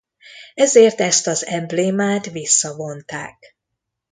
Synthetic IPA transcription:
ɛzeːrt̪ɛst̪ɒzɛmbleːmaːt̪ʋisːɒvo̞nt̪a̰ːk̚

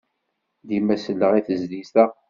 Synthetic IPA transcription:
d̪imæsəlːəʁiθəzlist̪a

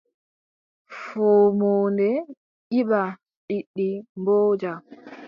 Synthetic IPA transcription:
fɔːmoːndɛ | ʔiɓa | ɗiɗːimboːd͡ʒa

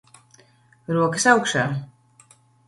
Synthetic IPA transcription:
ɾuɔkəsawkʃa

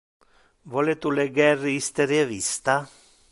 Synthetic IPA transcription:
volet̪uleɡɛrːiist̪eɾjevist̪a

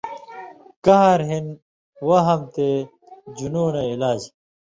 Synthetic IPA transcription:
kɐɦɐɾɦin | wɐɦɐmt̪e | d͡ʑunoːneilaːd͡ʑ

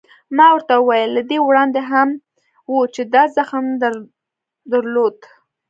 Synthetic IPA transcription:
mɑwəɾt̪aəwajəlːad̪ewɽɑnd̪eɦam | wut͡ʃed̪ɑzaxmd̪aɾ | d̪aɾlod̪

